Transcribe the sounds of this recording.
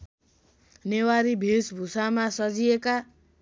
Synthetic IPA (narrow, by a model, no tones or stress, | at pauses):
newaɾibʱisbʱusamasʌd͡zieka